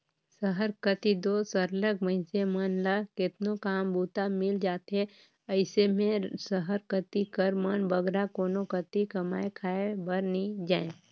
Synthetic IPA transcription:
səɦəɾkət̪id̪oːsəɾləɡməɪnsemənlakɪt̪nokaːmbuːt̪amɪld͡ʒaːt̪e | ɐɪsemẽsəɦəɾkət̪ikəɾmənbəɡɾakoːnokət̪ikɐmaːekʰaːebəɾnid͡ʒaːẽ

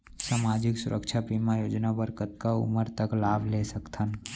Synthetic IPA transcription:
samaːd͡ʒɪksʊɾʔəkt͡ʃʰapimajoːd͡ʒnabəɾkət̪̚kaʊ̰məɾt̪əklaːbʱlesəkt̪ʰən

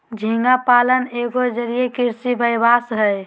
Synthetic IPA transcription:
d͡ʒʱiŋɡapaləneɡod͡ʒəɾijekiɾsibəjbasɦəj

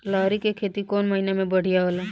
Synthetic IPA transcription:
laːɾikekʰeːt̪ikɔːnməɦinemẽbəɽ̤ijaɦola

